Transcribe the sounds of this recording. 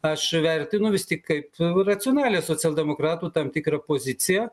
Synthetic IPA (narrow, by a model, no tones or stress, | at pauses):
ɐʃʋʲɛrʲt̪ʲɪnʊʋʲɪst̪ʲɪkkɐɪprɐt͡s̪ʲɪoːnɑːlʲeːsoːt͡sʲɛlˠd̪ʲɛmoːkɾɑːt̪uːt̪ɐmt̪ʲɪkɾɐpoːzʲɪt̪sʲɪjɛ